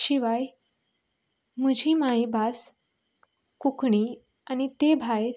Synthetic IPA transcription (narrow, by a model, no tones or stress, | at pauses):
ɕiʋaj | məd͡ʑʱiːmaibas | kukɳi | añit̪ebʱaj